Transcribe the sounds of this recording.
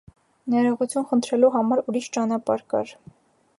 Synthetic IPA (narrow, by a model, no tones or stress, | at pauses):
nɛɾɔʁut͡sʰjunχənt̪ʰɾɛluɦɑmɑɾuɾiʃt͡ʃɑnɑpɑɾkɑ̰ɾ